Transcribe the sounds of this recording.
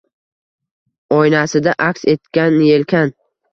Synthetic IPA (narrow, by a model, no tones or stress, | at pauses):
ɒjnasɪd̪aʔakʲse̞t̪kʲanːje̞lkʲʰan